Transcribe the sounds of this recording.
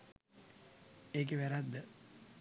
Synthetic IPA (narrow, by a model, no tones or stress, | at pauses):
eːkeʋæɾad̪ːə